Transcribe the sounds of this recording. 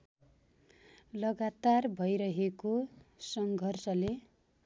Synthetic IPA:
lʌɡat̪arbʱʌjɾʌɦekosʌŋɡʱʌrsʌle

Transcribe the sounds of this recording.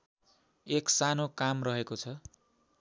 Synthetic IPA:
eksanokamrʌɦekot͡sʰʌ

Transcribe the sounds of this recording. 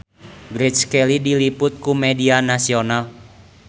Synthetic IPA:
ɡɾɛt͡ʃskɛlidilipʊt̪̚kumɛdianasional

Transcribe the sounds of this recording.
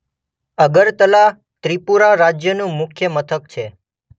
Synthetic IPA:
əɡəɾt̪əla | t̪ɾipuɾaɾad͡ʒjənũmʊkʰjəmət̪ʰək̚t͡ʃʰe

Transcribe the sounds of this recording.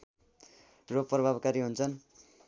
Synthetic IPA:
rʌprʌbʱabkaɾiɦunt͡sʰʌn

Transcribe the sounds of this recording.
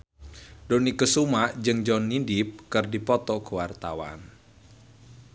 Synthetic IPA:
donikəsumaʔd͡ʒɨŋd͡ʒɔnːindip̚kɨrdipɔt̪ɔkəwart̪a̰wa̰n

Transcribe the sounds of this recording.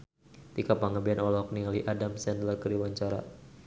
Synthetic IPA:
t̪ikapaŋəbianɔlɔk̚niŋaliʔadamsɛnd̪lərkəɾiwaɲt͡ʃaɾa̰

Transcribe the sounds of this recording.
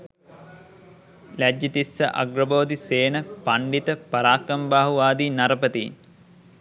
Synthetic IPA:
læd͡ʒːət̪isːə̰ʔɐ̰ɡrɐboːd̪iseːnəpaɳɖit̪əpɐɾaːkɐmbaːɦuʋaːd̪iːnɐɾəpət̪iːn

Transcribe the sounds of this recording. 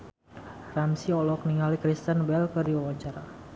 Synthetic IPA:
ramsiɔlɔk̚niŋalikɾist̪ənbɛlkɨrdiwawaɲt͡ʃaɾa

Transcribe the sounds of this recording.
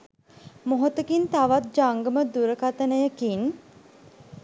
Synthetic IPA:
moɦot̪əkint̪aʋat̪̚d͡ʒaŋɡəməd̪uɾəkat̪ənəjəkin

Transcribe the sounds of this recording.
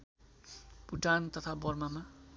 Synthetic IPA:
puʈant̪ʌt̪ʰabʌrmama

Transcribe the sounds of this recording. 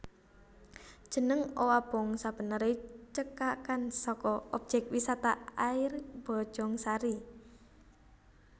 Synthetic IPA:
d̥ʒ̥ə̤nəŋowab̥ɔŋsab̥ə̤nəɾet͡ʃəkakansɔkɔɔ̰b̥̚d͡ʒɛk̚wisat̪aaɪrb̥ɔ̥ʒ̥ɔŋsaɾi

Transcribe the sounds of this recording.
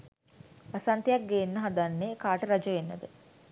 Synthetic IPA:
ʋɐsɐnt̪ejɐk̚ɡeːnːəɦɐd̪anːeːkaːʈəɾɐd͡ʒəʋenːəd̪ə

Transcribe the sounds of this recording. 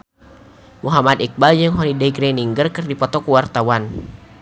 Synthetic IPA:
muɦamad̪ik̚bald͡ʒəŋɦɔnidɛiɡɾɛniŋɡərkɨrdipɔt̪ɔkuwart̪awan

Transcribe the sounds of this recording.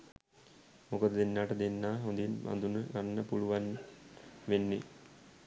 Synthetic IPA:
mokəd̪əd̪enːaːʈəd̪enːaːɦond̪inba̰nd̪unəlanːəpuluʋan | ʋenːe

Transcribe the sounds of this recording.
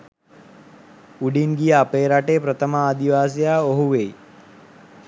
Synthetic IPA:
uɖinɡijəapeːɾaʈeːpɾət̪əməaːd̪iʋaːs̬ijaːoɦuʋej

